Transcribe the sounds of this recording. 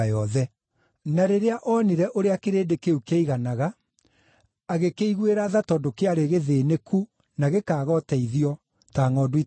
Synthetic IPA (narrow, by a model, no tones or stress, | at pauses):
ajɔðɛ | naɾeɾeaʔɔniɾɛʔoɾeakeɾeːdekeukeiɣanaɣa | ɣekeiɣweɾaðatɔdokeaɾeɣeðenekʰu | naɣekaːɣɔtɛiðiɔ | taːŋɔdwi